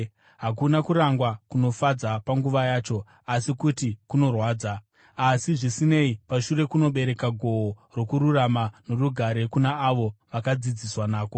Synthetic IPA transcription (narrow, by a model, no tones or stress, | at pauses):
ɦakunakuɾaŋɡwakuno̞fad͡zapaŋɡuʋajaːt͡ʃo̞ | asikutikuno̞rwaːd͡za | asiʐisine̞ipaʃuɾe̞kuno̞ɓe̞ɾe̞kaɡʱo̞oro̞kuɾuramanoruɡʱaɾe̞kunaːʋo̞ʋakad͡zid͡ziswanaːko̞